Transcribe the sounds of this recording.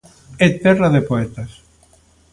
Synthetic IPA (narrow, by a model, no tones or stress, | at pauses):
et̪ɛraðepoɛt̪as